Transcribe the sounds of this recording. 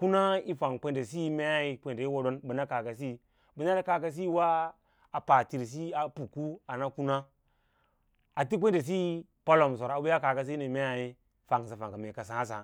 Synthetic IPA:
ku˦na˦i˦fa˨ŋkʷe˦nde˨si˦me˦a˦i˦kʷe˨nde˨i˦wo˦do˦nbɨ˨na˦ka˨ka˨s̬i˦ | bi˨na˦lka˨ka˨s̬i˦wa˦ | a˨pa˨ti˨ɾs̬i˦a˨pu˨ku˦a˨na˦ku˦na˦ | a˨ti˦kʷe˦n˦de˨s̬i˦ | pa˦lo˨m˨s̬o˨ɾa˨bu˦ja˦ka˨ka˨s̬i˦ni˨me˦ja˨ji˦ | fa˨ŋ˨s̬a˨fa˨ŋka˨me˨ka˨sa˨˦a˦s̬a̰˨

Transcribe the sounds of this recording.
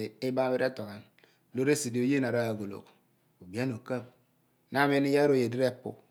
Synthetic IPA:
i˦ba˦be˦ɾa˦to˨ka˨n | lo˦ɾe˦si˨di˨o˨je˦na˨ɾa˦a˨ɡo˨lo̰˨k | o˨bi˨˦a˦no˨ka˦˨p̚ | na˦me˦ni˦ja˦ɾo˨je˨di˦ɾe˦˨˦pṵ˨

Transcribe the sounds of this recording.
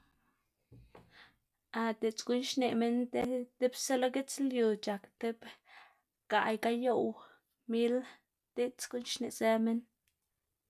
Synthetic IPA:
a˧t̪e˨t͡sɡu˦nʃne˨ʔme˦nt̪e˦t̪e˦bse˦lo˦ɡe˦t͡slju˨t͡ʃa˨kt̪e˦b | ɡ̥a˨jka˦jo˦w | mi˦l | t̪e˦t͡sɡu˦nʃne˨ʔse˦me˦n

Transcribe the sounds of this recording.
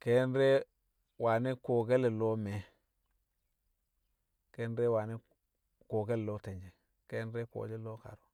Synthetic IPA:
ke˦nɾe˦ | wa˨ne˦ko˨ɡe˦le˨lo˦me˨ | ke˦nɾe˦wa˨ne˦ | ko˨ɡe˦llo˦te˨ɲd͡ʒe˨ | ke˦nɾe˦ko̰˨d͡ʒe˦lo˦ka̰˨ɾo˨

